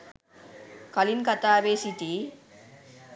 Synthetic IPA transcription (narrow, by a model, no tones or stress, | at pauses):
kɐlinkɐt̪aːʋeːsiʈ̪i